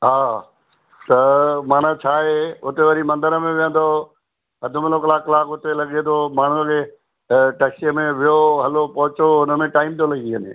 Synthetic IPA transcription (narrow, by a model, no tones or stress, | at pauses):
ɦaː | t̪ɐmaːn̤at͡ɕʰaːɦeʊt̪eʋɐɾimɐ̃nd̪əɾəmẽʋĩə̃nd̪o | ɦɐd̪ʱʊmɪloklaːklaːkʊt̪elɐɡet̪ʰomaːɳ̤ukʰeː | ʈɐkseəmẽʋijoɦɐlopɐɦʊt͡ɕoʊnəmẽʈaːɪmt̪ʰolɐɡiənḛ̃